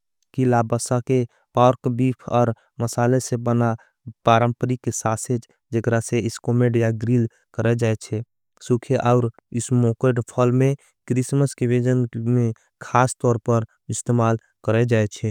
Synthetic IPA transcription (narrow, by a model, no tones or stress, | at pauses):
kilabəsake | paːɾkbiːpʰɔːɾ | məsaːlesebəna | paːɾə̃mpəɾikesaːsed͡ʒ | d͡ʒəkɾaseɪskoːmeɖjaɡɾil | kəɾɛd͡ʒaːet͡ʃʰɛ | sukʰeʔaːɾ | ɪsmoːkeɖpʰɔlmẽ | kɾɪsməskeʋed͡ʒənmẽ | kʰaːst̪ɔːɾpəɾ | ɪst̪emaːl | kəɾɛd͡ʒaːet͡ʃʰɛ